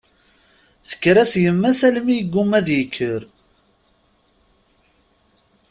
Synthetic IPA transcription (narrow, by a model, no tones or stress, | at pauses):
θə̥kːɾæsjəmːæsælmijəɡːumːæðjəkʰːəɾ